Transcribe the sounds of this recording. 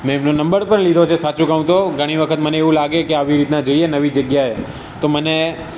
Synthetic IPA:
mɛ̃emnonəmbəɾpəɳlid̪ʱot͡ʃʰesat͡ʃũkəɦũt̪oɡʱəɽ̃iʋəkʰət̪məneeʋũlaɡekeaʋiɾit̪nad͡ʒəienəʋid͡ʒəɡjae | t̪oməne

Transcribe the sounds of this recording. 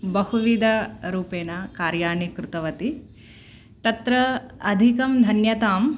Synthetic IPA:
bɐhuʋid̪ʱɐɾuːpeːnɐkaːɾjaːnikɾut̪ɐʋɐt̪i | t̪ɐt̪ɾɐɐd̪ʱikɐmd̪ʱɐnjɐt̪aːm

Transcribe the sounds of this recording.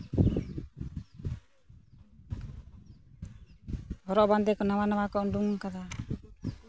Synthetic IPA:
hɔɾɔʔband̪ɛkɔnawanawakɔuɳɖuŋŋkad̪a

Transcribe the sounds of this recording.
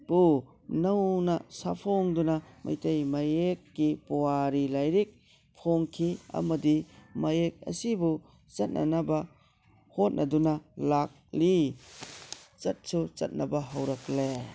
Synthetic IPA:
pu | nawnɐsa̰pʰoŋdunɐma̰jtejmajekːipɔwaɾilajɾik̚ | pʰoŋkʰiɐ̰mɐdimajek̚ɐ̰sibu | t͡ʃɐt̚nʔa̰nɐbɐ | hot̚nʔɐdunɐlak̚li | t͡ʃɐt̚sut͡ʃɐ̰t̚nɐbɐɦawɾɐkle

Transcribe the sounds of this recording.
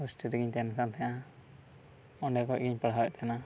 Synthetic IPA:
usʈiɾɛɡiɲt̪ɛnsant̪ɛjã | ɔɳɖɛkɔʔɡiɲpaɽawɛ̰ʔ̚tkʰana

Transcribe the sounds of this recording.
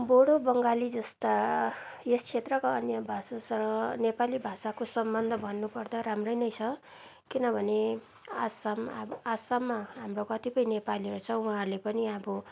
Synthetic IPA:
boɽobʌŋɡalid͡zʌst̪a | est͡sʰet̪rʌkaʌnjʌbʱasasʌɾʌ̃nepalibʱasakosʌmbʌnd̪ʱʌbʱʌnːupʌrd̪aɾamrʌjnʌjt͡sʰʌ | kinʌbʱʌne | asamasamːaɦamrokʌt̪ipʌjnepaliʌɾut͡sʰʌuɦãrlepʌniʌbʌ

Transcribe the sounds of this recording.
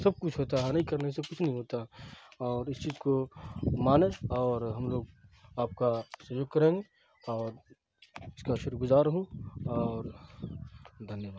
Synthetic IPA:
sɐb̚kʊt͡ʃʰɦoːt̪aɦɛnɐɦĩkɐɾnesɐb̚kʊt͡ʃʰnɐɦĩɦoːt̪aɛɔːɾɪst͡ʃiːzkomaːneɔːɾɦɐmloːɡaːp̚kasɐjoːɡ̚kɐɾẽːŋɡe | ɔːɾ | ɪskaʃʊɾuɡʊzaːɾɦũɔːɾ | d̪ʱɐnjəʋaːd̪

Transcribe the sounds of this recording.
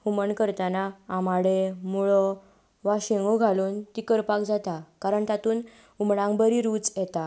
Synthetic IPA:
huməɳkəɾt̪anaːmaɽemuɭɔ | ʋaɕeŋɡoɡʱaluːnt̪ikəɾpak̚d͡zat̪akaɾəɳt̪at̪uːn | umɽãŋbəɾiɾuːt͡sjɛt̪a

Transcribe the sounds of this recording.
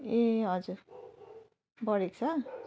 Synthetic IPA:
eɦʌd͡zuɾ | bʌɽek̚t͡sʰʌ

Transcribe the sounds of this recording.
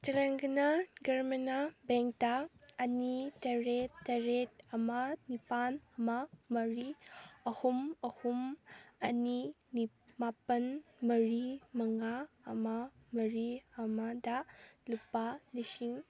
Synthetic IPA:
tɐɾaŋɡɐnaɡɐɾmɐnabeŋk̚taːnitɐɾetːɐɾet̚ɐmɐnipanɐmɐmɐɾiɐhumɐhumɐni | ni | mapɐnmɐɾimɐŋaɐmamɐɾiɐmadɐlupːanisiŋ

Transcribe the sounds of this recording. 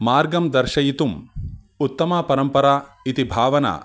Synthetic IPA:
maːɾɡɐmd̪ɐɾʃɐjit̪um | ut̪ːɐmaːpɐɾɐmpɐɾaːit̪ibʱaːʋɐna̰ː

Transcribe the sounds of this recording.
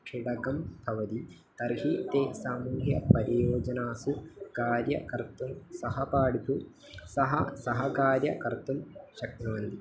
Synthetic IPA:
kʂiɽɐɡɐmbʱɐʋɐt̪i | t̪ɐɾɦit̪eːsaːmuːɦjɐpɐɾijoːd͡ʒɐnaːsukaːɾjɐ̰kɐɾt̪umsɐɦɐpaːɽut̪u | sɐɦɐsɐɦɐkaːɾjɐkɐɾt̪umʃɐk̚t̪ɐmɐnd̪i

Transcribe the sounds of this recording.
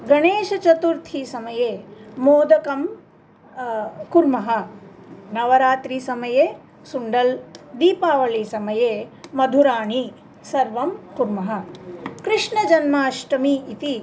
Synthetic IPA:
ɡɐɳeːʃɐt͡ʃɐt̪uɾt̪ʰisɐmɐjeːmoːd̪ɐkɐm | kuɾmɐɦɐ | nɐʋɐɾaːt̪ɾisɐmɐjeː | suɳɖɐld̪iːpaːʋɐɭisɐmɐjeːmɐd̪ʱuɾaːɳi | sɐɾʋɐmkuɾmɐɦɐkɾɪʂɳɐd͡ʒɐnmaːʃʈɐmiit̪i

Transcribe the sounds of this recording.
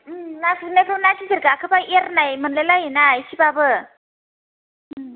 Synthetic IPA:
naknekʰɾɔnasizeɾɡakʰɯbaeɾnajmɯnlelajenajsibabɯ

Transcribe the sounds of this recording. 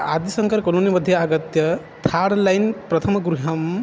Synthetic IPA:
ad̪isɐŋkɐɾkolonimɐd̪ʱjɐaɡɐt̪jɐ | t̪ʰaɽlajnpɾɐt̪ʰɐmɐɡɾuɦɐm

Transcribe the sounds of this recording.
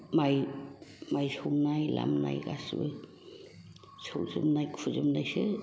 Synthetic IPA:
maj | majsoŋnajla̰mnajɡasbɯ | sʰoɾzɯmnajkʰuzɯmnajsɯ

